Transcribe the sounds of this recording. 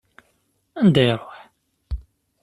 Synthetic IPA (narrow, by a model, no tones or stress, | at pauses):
ænd̪æjəɾˤːoħ